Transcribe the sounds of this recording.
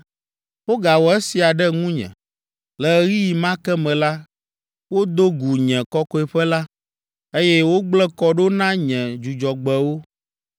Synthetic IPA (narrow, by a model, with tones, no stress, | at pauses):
wo˦ɡa˨wɔ˨ɛ˦si˨a˨ɖɛ˦ŋũ˦ɲɛ̰̃˨ | lɛ˨ɣi˦ji˨mã˦kɛ˦mɛ̃˨la˦ | wo˦d̪o˦ɡu˨ɲɛ̃˨kɔ˦kɔ˦ɛ˨ɸɛ˦la˦ | e˦jɛ˦wo˦ɡ͡blɛ˦kɔ˦ɖo˦nã˦ɲɛ̃˨d͡ʒu˨d͡ʒɔ˨ɡ͡bɛ˨wo˦